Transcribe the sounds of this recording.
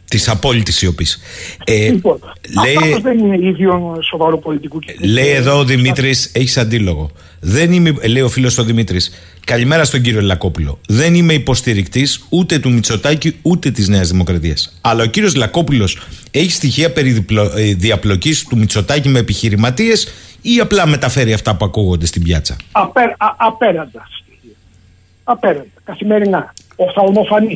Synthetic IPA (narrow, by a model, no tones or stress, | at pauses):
t̪isɐpo̞lit̪isio̞pis | po | leiozðenineiðonso̞vɐɾupolit̪ikulejeðo̞ːðimit̪ɾise̞çi̥sɐnd̪ilo̞ɣo̞̰ | ðe̞nimele̞io̞filo̞st̪oðimit̪ɾis | kɐlime̞ɾɐst̪o̞ɲɟiɾio̞lɐko̞pulo̞̰ðe̞nime̞ipo̞st̪iɾikt̪isut̪e̞t̪umit͡so̞t̪ɐciut̪e̞t̪izne̞ɐzðimo̞kɾɐt̪iɐsɐlɐo̞ciɾio̞zlɐko̞pulo̞se̞çist̪içiɐpe̞ɾipoðiɐplo̞cist̪umit͡so̞t̪ɐcime̞ːpiçiɾimɐt̪ie̞siɐplɐme̞t̪ɐfe̞ɾiɐft̪ɐpuɐkuɣo̞nd̪e̞st̪ibʝɐt͡sɐ̰ɐpeɾɐpeɾɐnd̪ɐ̥st̪ii | ɐpeɾɐnd̪ɐkɐθimeɾinɐ | oθɐlmofɐni